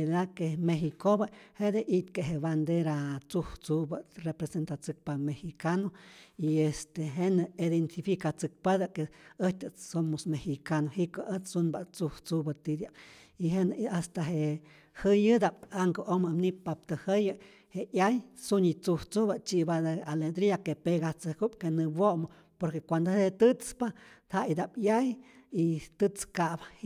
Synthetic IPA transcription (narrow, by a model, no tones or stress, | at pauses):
edakemehikobahed̪eʔit̪keɦeβand̪eɾat͡suht͡subarepɾesent̪at͡sɨk̚pamehikanoiest̪eɦenɨid̪ent̪ifikat͡sɨk̚pad̪akeət̪ɨsomosmehikanohiʔkəʔət͡ssunbat͡suht͡subət̪id̪jabiɦenast̪aɦeʔ | hɨjɨd̪abaŋkoʔomamnipap̚t̪ɨhejɨ | heʔjajsunit͡suft͡subat͡ʃiʔbad̪ealed̪ɾiakepeɣat͡sɨkup̚kenɨbʷoʔmo | poɾkekʷand̪ohet̪ɨt͡spahaid̪abjaj | it̪ɨt͡skaba